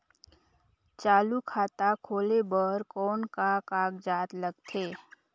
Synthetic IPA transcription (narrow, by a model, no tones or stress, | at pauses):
t͡ʃaːlukʰaːt̪akʰoːlebəɾkɔːnkakaːɡd͡ʒaːt̪ləɡ̚t̪ʰeː